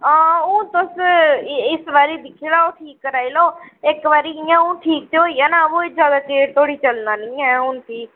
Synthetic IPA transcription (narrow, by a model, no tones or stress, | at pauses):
aːũːt̪ʊs | ɪsʋaːɾiːd̪ɪkʰːeːlaːoːʈʰiːkːəɾaːiloːɪkʋaːɾiːiãːũːʈʰiːk̚t̪eoːiːaːnaːoːɪd͡ʒaːd̪aːkeːt̪ʰoːɽiːt͡ʃəlnaːnĩːɛ̃ːɦʊnt̪ʰiː